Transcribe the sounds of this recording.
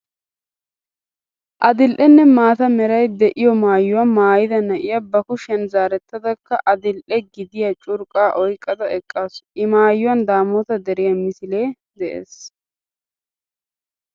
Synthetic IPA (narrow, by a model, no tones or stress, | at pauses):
ʔɐd̪ɪlʔɛnːɛmaːt̪ɐmɛɾɐjd̪ɛʔɪjɔmaːjːʊwɐmaːjɪd̪ɐnɐʔɪjɐbɐkʊʃɛnzaːɾɛt̪ːɐd̪ɐkːɐʔɐd̪ɪlʔɛɡɪd̪ɪjɐt͡ʃʼʊɾkʼaːʔɔjkʼːɐd̪ɐɛkʼːaːsʊʔɪmaːjːʊwɐnd̪aːmɔːt̪ɐd̪ɛɾɪjɐmɪsɪleː | d̪ɛʔḛːs